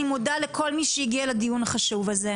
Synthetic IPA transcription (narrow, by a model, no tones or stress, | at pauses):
imodalekʰo̞lmiʃejiɡialadijunhaχaʃuvaze